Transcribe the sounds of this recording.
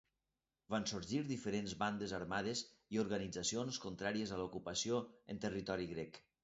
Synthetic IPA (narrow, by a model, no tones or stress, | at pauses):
vansuɾʒiɾðifəɾenzβand̪ezaɾmað̞ez | ioɾɣənid͡zəsionskunt̪ɾaɾiəzəlukupəsioə̰nt̪ərit̪ɔɾiɣɾɛk